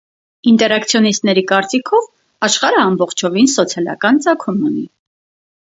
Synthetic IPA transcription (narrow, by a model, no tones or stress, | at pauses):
int̪ɛɾɑkt͡sʰjɔnist̪nɛɾikɑɾt͡sikʰɔv | ɑʃχɑɾəɑmbɔχt͡ʃʰɔvinsɔt͡sʰjɑlɑ̰kɑnt͡sɑkʰumuni